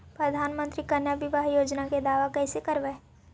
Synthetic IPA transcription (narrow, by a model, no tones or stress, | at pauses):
pɾɐd̪ʱaːnmə̃nt̪ɾikɐnjabɪʋaɦjoːd͡ʒnaked̪aːʋakɛːsekɐɾʋɛː